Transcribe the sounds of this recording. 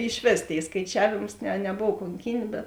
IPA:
ɪʃʲˈʋʲeːs ˈtʲeːɪ skɐɪˈt͡ʃʲæːʋʲeːms nʲɛ nʲɛˈboːw koːŋʲˈkʲiːnʲ bʲɛt

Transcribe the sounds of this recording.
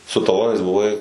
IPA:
sʊ tɐˈlˠoːnɐɪs bʊˈʋɐɪ

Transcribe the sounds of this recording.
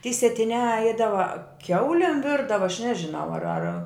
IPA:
tʲiɛ sʲiɛtʲɪˈnʲæː ˈɛɪdɐʋɐ ˈkʲɛʊlʲeːm ˈʋʲɪrdɐʋɐ ɐʃ ˈnʲæːʒʲɪˌnɐʊ ɐr ɐr

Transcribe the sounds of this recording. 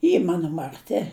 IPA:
ˈiː ˈmɑːnoː mɐrʲˈtʲɪ

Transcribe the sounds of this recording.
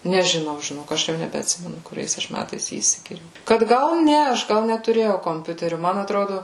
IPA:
nʲɛʒʲɪˈnɐʊ ʒʲɪˈnoːk ˈɐʃ jɛʊ nʲɛbʲɛɐtʲˈsʲɪmʲɛnʊ kʊˈrʲɛɪs ˈɐʃ ˈmʲætɐɪs ˈjiː iːsʲɪɡʲɪˈjɛʊ kɐt ˈɡɐlˠ ˈnʲɛ ɐʃ ˈɡɐlˠ nʲɛtʊˈrʲeːjɛʊ koːmʲˈpʲʊtʲɛrʲʊ ˈmɐn ɐtˈroːdʊ

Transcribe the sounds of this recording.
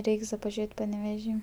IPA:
ˈrʲɛɪks dɐ pɐˈʒʲeːtʲ pɐnʲɛʋʲɛˈʒʲiː

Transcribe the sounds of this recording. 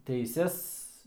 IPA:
tʲɛɪˈsʲɛs

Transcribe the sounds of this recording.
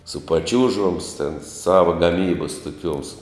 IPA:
sʊ pɐˈt͡ʃʲuːʒoːms tʲɛn ˈsɑːʋɐ ɡɐˈmʲiːbɐs toːˈkʲuɔms

